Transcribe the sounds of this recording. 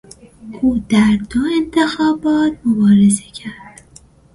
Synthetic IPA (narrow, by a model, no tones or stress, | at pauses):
ʔuːd̪æɾd̪oe̞nt̪ʰe̞xɒːbɒːt̪̚ʰmobɒːɾe̞zecʰæɾd̪̥